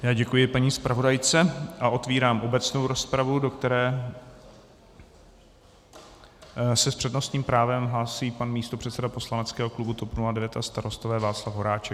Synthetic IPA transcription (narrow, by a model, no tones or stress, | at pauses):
jaːɟɛkujɪpaɲiːspɾavo̞dajt͡sɛʔaʔo̞t̪viːɾaːmʔo̞bɛt͡sno̞wɾo̞spɾavudo̞k̚t̪ɛɾɛː | sɛspr̥ɛdno̞st̪ɲiːmpɾaːvɛmɦlaːsiːpanmiːst̪o̞pr̝̥ɛt̪sɛdapo̞slanɛt͡skɛːɦoklubut̪o̞pnuladɛvjɛt̪ast̪aɾo̞st̪ovɛːvaːt͡slafɦoɾaːt͡ʃɛk